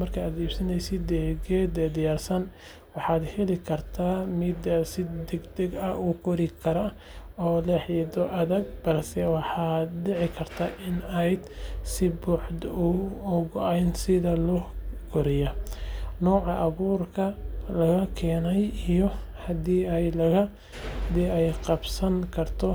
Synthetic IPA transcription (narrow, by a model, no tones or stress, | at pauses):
mɐrkʰɐaːd̪iːb̥sɐnɛjsɪd̪ːɛːɡɛːd̪ɛːd̪ɪjaːrsɐn | wɑħɑːd̪hɛlɪkʰɐrt̪ʰaːmɪd̪ɐsɪd̪ɛɡd̪ɛɡɐukʰɔɾɪkʰɐɾɐ | ɔːlɛħjɛd̪ɔʔɐðɐɡ̚bɐrsɛwɑħɑd̪dɪʕɪkʰɐrt̪ʰaʔɪnɛjd̪sɪbuːħd̪ʊɔɣɔʔɛjnsɪðɐlɔkʰɔɾɪjɐnɔːʕɑʔɐβuːrkʰɐlɐɣɐkʰɛːnɛjijɔhɐd̪iːɛjlɐɣɐ | d̪iɛjqɑbsɐŋkʰɐrt̪ʰɔ